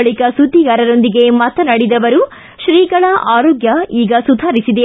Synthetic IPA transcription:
ɭikɐsud̪ʱːiɡɐɾɐɾo̞nd̪iɡe̞mɐt̪ɐnɐɽid̪ɐʋɐɾu | ʃɾiːɡɐɭɐʔaːɾoːɡjɐiːɡɐsud̪ʱaːɾisid̪e

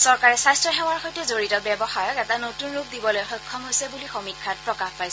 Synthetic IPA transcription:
sɔɹkaɹɛsajstɹɔxɛw̃aɹxojtɛzoɹitɔbɛbɔxaɹɔkɛtanotunɹuk̚ʰdibɔlojxɔjkʰːɔmɦojsɛbulixomikʰːat̚pɹɔkaxpajs

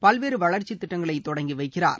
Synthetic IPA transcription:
pɐlʋeːɾɯʋɐɭɐɾt͡ʃːit̪ːɪʈːɐŋɡɐɭɐɪt̪ːɔɽɐŋɡiʋɐɪkːɪra̰ːɾ

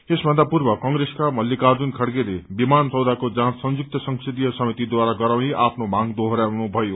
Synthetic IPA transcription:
esbʱʌnd̪apurbʌkʌŋɡɾeskamʌlːikard͡zunkʰʌɽɡeɾebimant͡sʌwd̪ʱakod͡zãsʌnd͡zuk̚t̪ʌsʌŋsed̪ijʌsʌmit̪id̪waɾaɡʌɾawniʔapʰnomaŋd̪oɦʌɾjawnubʱʌjo

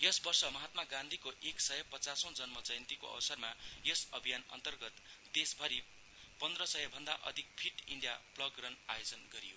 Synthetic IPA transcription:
jʌsbʌrsʌmʌɦat̪maɡãnd̪ʱikoʔeksʌjʌpʌt͡sasõd͡zʌnmʌt͡sʌjnt̪iko̰ʌ̰wsʌrmajʌsʌbʱijanʌ̰nt̪ʌrɡʌt̪d̪esbʱʌɾi | pʌnd̪rʌsʌjʌbʱʌnd̪aʔʌ̰d̪ʱik̚pʰiʈḭɳɖija̰plʌɡrʌna̰jod͡zʌnɡʌɾijo

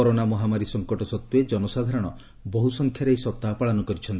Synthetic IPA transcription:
ɔɾonamɔɦamaɾisɔŋkɔʈɔsɔt̪ːued͡ʒɔnɔsad̪ʱaɾɔɽ̃ɔ | bɔɦusɔŋkʰjaɾejsɔp̚t̪apaɭanɔkɔɾit͡ʃʰɔnt̪

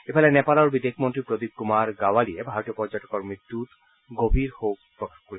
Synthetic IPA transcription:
epʰalɛnɛpalɔɾbid̪ekʰmont̪ɾipɾod̪ib̚kumaɾɡawaliebʱaɾot̪iopɔɾd͡ʑaʈɔkɔɾmit̪ːut̪ | ɡobʱiɾhowkpɾokaxkoɾi

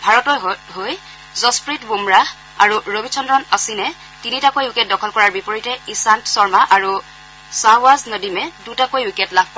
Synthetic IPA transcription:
bʱaɹɔtɔjɦoj | zɔspɹitbumɹa | a̰ɹuɹobʱit͡ʃʰɔndɹɔnasinɛ | tinitakojwikɛt̚dɔkʰɔlkɔɹaɹbipoɹitɛisantsɔɹmaʔaɹu | sawaznodimɛdutakojwikɛtlabʱp

